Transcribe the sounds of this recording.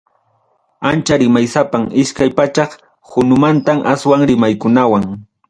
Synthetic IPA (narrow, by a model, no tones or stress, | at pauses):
ant͡ʃaɾɪmajsapaŋɪʃkajpat͡ʃɑχ | hʊnʊmant̪amʔaswaŋɾɪmajkʊnawaŋ